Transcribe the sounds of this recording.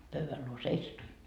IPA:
pøyʋæl luo seisɑtuin

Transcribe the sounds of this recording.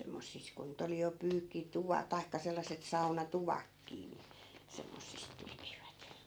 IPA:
semːosːis ku nyt oli jo pyːkːituʋɑ tɑi̯kːɑ selːɑsˑet sɑunɑtuʋɑkːiː ni semːosːis tekiʋæt

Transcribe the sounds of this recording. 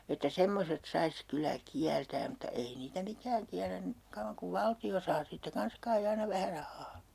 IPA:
etːæ semːoset sɑis kylæ kiæltæːm̆ mutːɑ ei niːtæ mikæːŋ kiælːæn ni kɑuʋːɑŋ kuʋ ʋɑltio sɑː siːtːæ kɑns kɑi ɑinɑ ʋæhæ rɑhˑɑː

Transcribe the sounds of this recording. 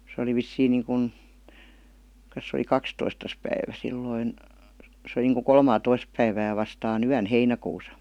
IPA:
se oli ʋisːiːŋ niːŋkun ks se oli kɑkstoistɑs pæiʋæ silːoin se oli niːŋku kolmɑːtois pæiʋæː ʋɑstɑːn yæn heinækuːsɑ

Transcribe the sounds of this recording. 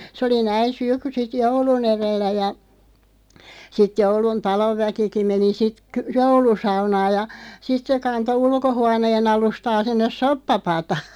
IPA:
sĕ oli næin̞ syk sit joulun erelːæ jɑ sit joulun tɑloʋːækiki meni sit ky joulusɑunɑːj jɑ sit se kɑnto ulkohuɑneːn ɑlustɑː sinːes sopːɑpɑtɑː

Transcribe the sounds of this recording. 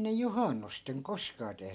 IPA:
ne juhɑnːusteŋ koskɑː tehny

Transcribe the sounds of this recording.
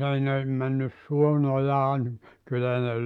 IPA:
ei ne mænːys suon ojɑː nim kylːæ ne

